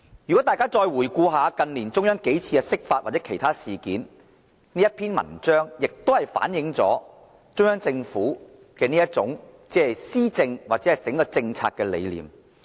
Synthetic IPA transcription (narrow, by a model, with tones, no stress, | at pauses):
jyː˨˩kɔ˨˥t̪aː˨jkaː˥t͡sɔː˧jwuː˨˩jkuː˧ɦaː˨˧kɐ˧nliː˨˩nt͡sʊ˥ŋjœː˥ŋke˨˥jt͡sʰiː˧kɛ˧sɪ˥k̚faː˧t̚waː˨t̚t͡sɛː˨˥kʰe˨˩jt̪ʰaː˥siː˨kiː˨˥n | niː˥jɐ˥t̚pʰiː˥nmɐ̰˨˩nt͡ʃœː˥ŋjɪ˨k̚t̪o˥whɐ˨jfa̰ː˨˥njɪ˨˧˥ŋt͡sɔ̰ː˨˥ | t͡sʊ˥ŋjœː˥ŋt͡sɪ˧ŋfuː˨˥ | kɛː˧niː˥jɐ˥t̚t͡sʊ˨˥ŋt͡sɛː˨˥ɐ˨jsiː˥t͡sɪ˧ŋwaː˨˩t͡sɛː˨˦˥ɐ˨jt͡sɪ˨˥ŋkɔː˧t͡sɪ˧ŋt͡sʰa̰ː˧t̚kːɛ˧lḛ˨˧jlḭː˨˩m